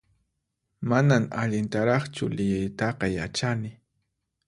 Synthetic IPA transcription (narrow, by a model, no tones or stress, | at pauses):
manaŋaʎɪnt̪aɾɑχt͡ʃʊ̰lɪjajt̪ɑqɑja̰t͡ʃanɪ